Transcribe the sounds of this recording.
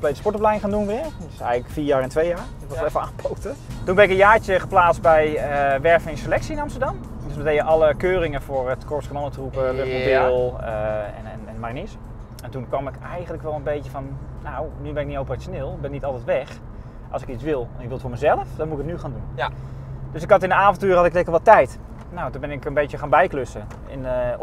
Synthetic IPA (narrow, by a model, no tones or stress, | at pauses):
komplejtəspɔɹtoplɛjɪŋχaːndunʋɪəɹtɪsɛ̰jɣələkfiːɹjaːɹɛntʋejjaːɹɪkʋɪlɛfəaːnpʰowtətunbɛnɪkənjaːɹt͡ʃəχəplaːt͡stbɛjəʋɛɹfənɪnselɛksiɪnɑmstəɹdɑm | døsbətejjəʔɑlˠəkøːrɪŋəfoəɹətkɔɹskəmɔnətrupəʋɪpobɪlˠəɛ̰nɛnɛnmarinɪs | ɛntunkʋɑmɪkɛjχəntləkʋɛlˠənbejtəfɔnːawnybɛnɪknitowpərat͡ʃjoneːlˠɪɡ̚bɛnːitɑlˠtɛjtʋɛx | ʔɑlˠsɪkitt͡ssʋɪlˠnɪkʋɪlˠtfʊːɹməzɛlˠəfdɔnmuɪkətnyχaːndun | d̥øsɪkɦɑtɪndəaːfɔntyːɹhɑtɪklɛkəʋɔtɛjt | nowtubɪnɪkənbejtjəχaːnbɛjkløsə | ɪ̰n